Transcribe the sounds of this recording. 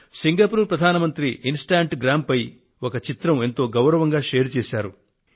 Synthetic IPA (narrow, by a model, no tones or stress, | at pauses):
siŋɡɐpuːɾpɾɐd̪ʱaːnɐmɐnt̪ɾiʔinsʈaːɳʈɡɾaːmpɐj | ɔkɐt͡ʃit̪ɾɐme̞nt̪o̞ːɡɐwɾɐʋɐŋɡaːʃeːɾt͡ʃeːsaːɾu